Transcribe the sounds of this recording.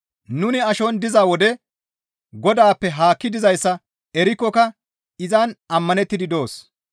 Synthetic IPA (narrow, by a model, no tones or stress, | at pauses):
nʊnɪɐʃɔnd̪ɪzaːwɔd̪ɛ | ɡɔd̪aːpːɛɦaːkːɪd̪ɪzɐjsːɐ | ɛɾɪkːɔkɐ | ɪzɐnɐmːɐnɛt̪ːɪd̪ɪd̪o̞ːs